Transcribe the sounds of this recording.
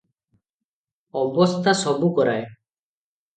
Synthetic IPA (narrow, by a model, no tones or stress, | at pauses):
ɔbɔst̪ʰasɔbukɔɾaj